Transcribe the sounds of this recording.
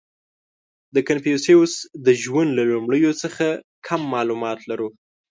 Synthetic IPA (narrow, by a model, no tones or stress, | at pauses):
d̪əkanpijuseusd̪əʒwand̪lalumɽəjot͡səxa | kʰamːɑlumɑt̪laɾu